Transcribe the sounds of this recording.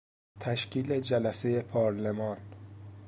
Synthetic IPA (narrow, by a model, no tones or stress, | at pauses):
t̪ʰæʃcʰiːled͡ʒælæseje̞pʰɒːɾlemɒːn